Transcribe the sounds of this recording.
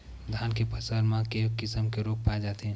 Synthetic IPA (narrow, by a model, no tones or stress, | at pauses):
d̪ʱaːnkepʰəsəɾmãkekɪsəmkeɾok̚paɛd͡ʒaːt̪ɦɛ̃